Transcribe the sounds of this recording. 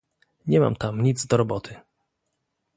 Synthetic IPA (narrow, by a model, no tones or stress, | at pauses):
ɲɛma̰mt̪amɲid̪zd̪ɔɾɔbɔt̪ʰɘ